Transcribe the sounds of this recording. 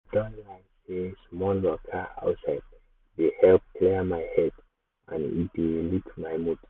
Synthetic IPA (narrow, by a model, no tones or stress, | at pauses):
d̥ɔ̃nlaɪsesmɔlːɔkʰaa̰ʊtsaɪd̚ | dehɛlp̚kʰlimajhɛd | ã̰nḭtelitʰmajmut